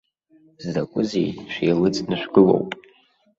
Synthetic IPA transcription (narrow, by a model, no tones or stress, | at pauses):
zakʷʼʊzḛjʃʷᶣijlɨt͡sʼnɨʃʷᶣɡɨlo̞̰wpʼ